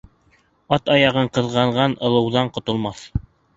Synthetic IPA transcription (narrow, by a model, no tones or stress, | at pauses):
ɑt̪ɑjɑʁɤɴqɤ̆ðʁɑɴʁɑnɤ̆lˠɤ̆wðɑɴqŏt̪ŏlˠmɑθ